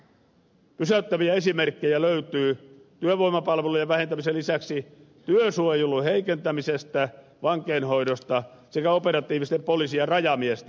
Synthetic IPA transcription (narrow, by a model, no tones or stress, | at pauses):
pysæyt̪ːæʋiæesimerkːejæløyt̪yːt̪yøʋoimɑpɑlʋelujɑʋæhent̪æmiselisæksi | t̪yøsuojuluheikent̪æmisest̪æ | ʋɑŋkeːnhoidost̪ɑ | sekæopeɾɑt̪iːʋist̪eppolisiɑrɑjɑmiest̪æ